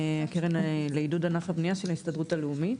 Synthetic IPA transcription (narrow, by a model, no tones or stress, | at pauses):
akeʁenleidudanafhabniaʃe̞laist̪adʁutaleumit